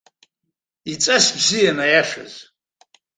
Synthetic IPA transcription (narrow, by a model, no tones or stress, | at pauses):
it͡sʼasbzijanajaʂa̰z